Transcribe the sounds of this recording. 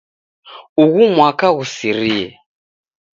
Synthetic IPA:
uɣumwakaɣusiɾijɛ

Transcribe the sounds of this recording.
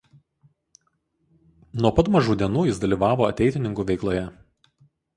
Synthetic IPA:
nuɔpɐt̪mɐʒuːd̪ʲiɛnuːjɪsd̪ɐlʲiːʋɑːʋoːɐt̪ʲɛɪt̪ʲɪnʲɪŋkuːʋʲɛɪklˠoːjɛ

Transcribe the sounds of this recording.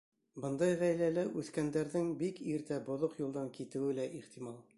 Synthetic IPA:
bɤ̆nd̪ɑjʁæjlælæʔʉθkænd̪æɾðɘŋbikiɾt̪æbŏðoqjulˠd̪ɑŋkit̪ɘ̆wɘlæʔiχt̪imɑlˠ

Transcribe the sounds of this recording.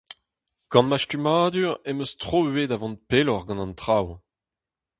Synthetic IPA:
ɡ̥ɑ̃nmaʃtymaːd̪yʁemøstχoyedavɔ̃n̚pelɔʁɡɑ̃nɑ̃nt̪χaw

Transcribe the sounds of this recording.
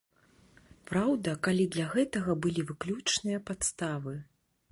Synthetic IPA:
pɾawd̪ɐkalʲid̪lʲɐɣɛt̪ɐɣɐbɨlʲivɨklʲut͡ʂnɨjɐpat̪st̪avɨ

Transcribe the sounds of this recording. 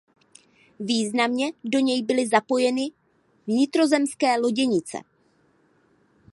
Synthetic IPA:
viːznamɲɛdo̞ɲɛjbɪlɪzapo̞jɛnɪ | vɲɪt̪ɾo̞zɛmskɛːlo̞ɟɛɲɪt͡sɛ̰

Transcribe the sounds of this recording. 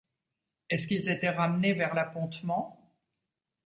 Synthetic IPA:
ɛskilzet̪ɛʁamnevɛʁlapɔ̃t̪mɑ̃

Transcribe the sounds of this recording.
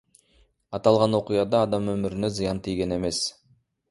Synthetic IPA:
ɑt̪ɑlˠʁɑnwo̞qijɑd̪ɑːd̪ɑmɵmɪɾɪne̞zɨjɑnt̪ʰijɡʲe̞ne̞me̞s

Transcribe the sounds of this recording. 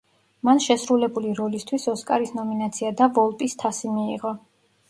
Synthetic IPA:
manʃɛsɾulɛbuliɾɔlist̪ʰwisɔskʼaɾisnɔminat̪sʰiad̪avɔlˠpʼist̪ʰasimiiʁɔ

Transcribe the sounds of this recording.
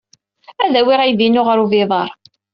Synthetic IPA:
æðæwɪʁivinʊʁəɾuviðˤɑɾˤ

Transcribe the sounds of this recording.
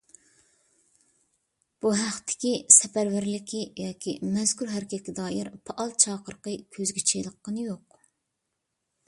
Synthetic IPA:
b̥uɦæχt̪ʰɪ̥kʲisɛpæɾvæɾlɪkʲijɑːkʲʰimɛz̥kʲuɾɦæɾɪkʲɛt̪̚ʲkʲɛd̪ɑːjiɾpʰɑʔɑlˠt͡ʃʰɑːqəɾqəkʲʰøzɡʲit͡ʃʰejlˠəqːənɨjoq

